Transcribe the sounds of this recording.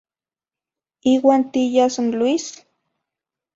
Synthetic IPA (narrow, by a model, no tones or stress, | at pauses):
iːwaːnt̪ijasanluis